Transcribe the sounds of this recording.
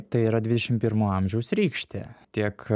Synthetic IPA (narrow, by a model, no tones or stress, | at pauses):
t̪ɐɪiːɾɐd̪ʲʋʲɪd̪ʲɛʃʲɪmpʲɪɾmuːɐmʲʒʲɛʊsɾʲiːkʃʲt̪ʲɛ̰ːt̪ʲiɛk